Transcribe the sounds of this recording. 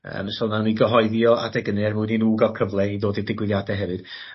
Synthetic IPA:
ə̰ːməsɔlˠnawniɡəɦɔɨðjɔa̰dɛɡənɛrmuɨninuːɡavkʰəvlˠɛiðoːdidɪɡwɪðjadɛɦɛvɨd̥

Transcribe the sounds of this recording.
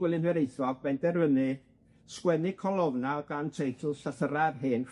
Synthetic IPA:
wɪlˠɨnhɛɾejθɔvbɛndɛrvənɨ | skwɛnɨkʰɔlˠɔvnaɡantʰejtʰəlˠɬaθəɾarɦɨːn

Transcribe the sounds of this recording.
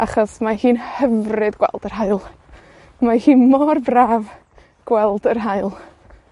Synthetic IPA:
ʔaχɔsmahiːnhɛvrɨdɡ̥wɛ̰lˠdərɦaɨlˠ | mahiːnmɔrbraːv | ɡ̥wɛlˠd̥ərɦaɨlˠ

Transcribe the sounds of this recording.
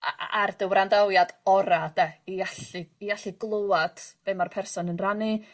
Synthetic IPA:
a̰ʔard̥əwɾandawjadɔɾad̥ɛiaɬiːaɬiɡlˠoad̥b̥emarpʰɛrsɔnənrani

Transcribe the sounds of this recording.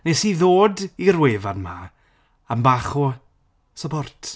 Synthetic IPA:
nesiðoːdirweːvadma | ambaχu | sɔbɔrtʰ

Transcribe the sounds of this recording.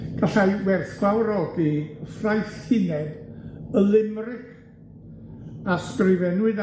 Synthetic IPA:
ɡ̥aɬajwɛrθɡwawɾɔdifrajθɪnɛdəlˠɪmrɪk | asprɪvɛnwɨð

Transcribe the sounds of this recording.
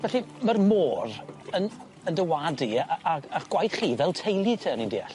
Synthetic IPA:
vɛɬimərmoːrən | əndəwadiaaχɡ̥wajθχiːvɛlˠtʰejlˠitʰəənindḭːaɬ

